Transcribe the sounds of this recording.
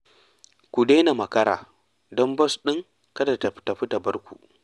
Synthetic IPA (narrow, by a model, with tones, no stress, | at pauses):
kʷu˨de˦na˨mɐ˨kɐ˦ɾa̰ː˨ | dɔ˦mbɐ˦sɗɪ˦ŋ | kɐ˦da˨ta˨˦ta˨ɸɪ˦ta˨bɐ˦rkʷṵ˨ʔ